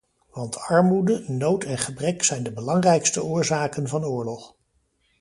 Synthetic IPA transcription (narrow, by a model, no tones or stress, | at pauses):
ʋɑntɑɹmudənowtɛnχəbrɛksɛjndəbəlɑŋrɛjkstəʊːɹzaːkənvɑnʊːɹlɔχ